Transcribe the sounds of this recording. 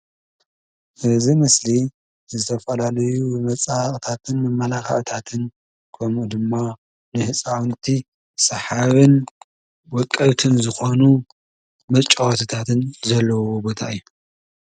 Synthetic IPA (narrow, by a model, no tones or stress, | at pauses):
ʔɨzimɨsli | zɨt̪ʰɐfɐlalɐjumɐt͡sʼaʔʼt̪ʰat̪ʰɨnmɐmːɐlaka̰ʔʼt̪ʰat̪ʰɨn | kʰomʔud̪ɨmːa | nɨhɨsʼawnt̪ʰi | sɐħaβɨn | wɔkʼːɐβt̪ʰɨnzɨxo̞nu | mɐt͡ʃʼːɐwt̪ʰɨt̪ʰat̪ʰɨnzɐlːɐwobo̞t̪ʰaʔɨjːu